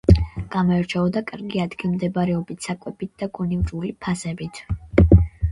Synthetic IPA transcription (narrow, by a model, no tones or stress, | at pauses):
ɡ̥amɔɛɾt͡ʃʰɛɔd̪akʼaɾɡiad̪ɡilˠmd̪ɛbaɾɛɔbit̪ʰsakʼwɛbit̪̚d̪̥aɡunivɾulipʰasɛbit̪ʰ